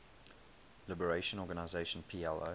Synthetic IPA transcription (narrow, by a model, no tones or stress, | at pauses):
lɪbəɹeɪʃə̃nɔːɡanaɪzeʃə̃npʰiːɛlo̰